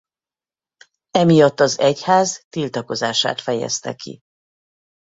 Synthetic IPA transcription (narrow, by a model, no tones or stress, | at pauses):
ɛmijɒt̪ːɒzɛchaːzt̪ilt̪ɒko̞zaːʃa̰ːt̪fɛjɛ̰st̪ɛ̰kʰḭ